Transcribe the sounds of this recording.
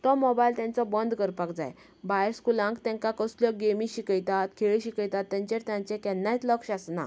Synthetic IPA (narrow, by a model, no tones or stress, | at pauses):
t̪ɔmɔbajlt̪jɛ̃nt͡sɔbənd̪kəɾpakd͡za̰j | bajəɾskulãŋkt̪ɛ̃ŋkakəsljɔɡemĩɕikəjt̪at̪kʰeɭiɕikəjt̪at̪ːɛ̃ɲt͡ɕeɾt̪jãɲt͡ɕẽkɛnːajt̪ləkɕasna̰